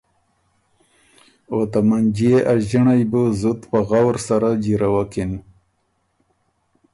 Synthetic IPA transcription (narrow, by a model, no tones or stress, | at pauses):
ot̪amand͡ʒieʔaʒiɳajbəzut̪pəɣawɾsaɾad͡ʒiɾawakin